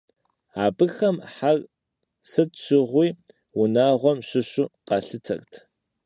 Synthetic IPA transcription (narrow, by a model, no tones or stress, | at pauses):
aːbɨxɐmħar | sɨtɕɪʁʷiː | wʊnaːʁʷɔmɕɪɕʊqɑɬɨtʰɐ̰rtʰ